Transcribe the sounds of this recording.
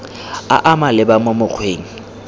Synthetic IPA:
a̰ʔamalɪbamʊmʊk͡xʰweːŋ̩

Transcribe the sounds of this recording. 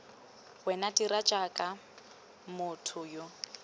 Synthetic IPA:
wɛnadiɾat͡ʃʼakʼa | mʊtʰʊjo

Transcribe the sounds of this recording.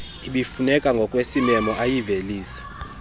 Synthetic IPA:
iɓifunɛkʼaŋɡʱɔkʼwesimɛmɔʔajiveliːsḁ

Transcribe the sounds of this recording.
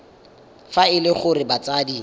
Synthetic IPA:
faɪlɪχʊrɪbat͡sadi

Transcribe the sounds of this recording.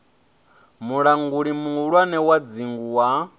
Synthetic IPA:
muɺaŋɡuɺimuuɺwanɛwad͡ziŋɡuwa

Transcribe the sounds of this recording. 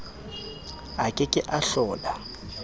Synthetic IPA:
akʼɪkʼɪʔaɬɔːla

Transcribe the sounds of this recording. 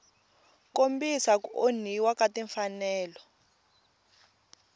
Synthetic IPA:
kombisakoniwakʼatʼɛɱfanɛːlɔ

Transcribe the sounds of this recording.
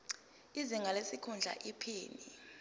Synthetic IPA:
iziŋɡʱalesikʰund͡ɮʱa̰ʔipʰiːni

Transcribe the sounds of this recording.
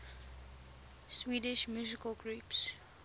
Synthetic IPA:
swiːdɪʃmjuzɪkəlɡɹups

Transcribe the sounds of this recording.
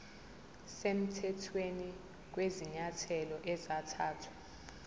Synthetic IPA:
sem̩tʰɛtʰweni | k̬weziɲatʰɛlɔʔɛzatʰaːtʰwḁ

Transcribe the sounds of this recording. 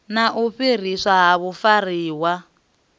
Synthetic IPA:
naʔuɸir̤isaɦaβufariːwa

